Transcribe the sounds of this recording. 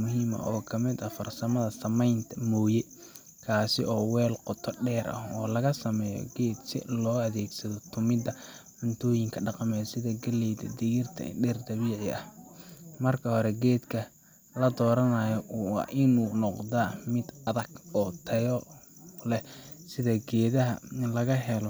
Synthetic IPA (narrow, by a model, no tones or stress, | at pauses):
mʊɦiːmɐ̰ʔɔːkʰɐmɪd̪ɐfɐrsɐmɐðɐsɐmɛjnt̪ʰɐmɔːjɛ | kʰaːsɪ̰ʔɔːwɛːlqɔt̪ʰɔɖɛːɾʔɐ̰hɔːlɐɣɐsɐmɛːjɔ̰ɡɛːd̪sɪ̰lɔːɐðɛːɡsɐðɔt̪ʰʊmɪd̪ɐʕʊnt̪ʰɔːjɪŋkʰɐɖɑqɑmɛjsɪðɐɡɐlɛjd̪ɐ̰d̪ɪɣɪrt̪ʰɐ̰ɖɛːrd̪ɐβiːʕɪɐh | mɐrkʰɐhɔɾɛɡɛːd̪kʰɐ | lɐd̪ɔːɾɐnɐjɔw̰ʔɪnuːnɔqðaːmɪd̪ɐðɐɡɔːt̪ʰɐjɔlɛsɪðɐɡɛːðɐɦɐ̰ɪnlɐɣɐɦɛlɔ